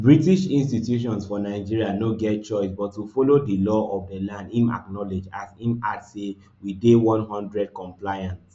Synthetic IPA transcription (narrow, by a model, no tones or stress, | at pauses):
bɹitiʃĩnstitjuʃɔ̃nsfɔnaɪd͡ʒiɹianoɡɛt̚t͡ʃɔɪsbɔtːufolodilɔʔɔvdəlãndĩma̰knɔled͡ʒasĩma̰dse | widewɔ̃nɦɔ̃ndɹɛd̚kɔ̃mplajãns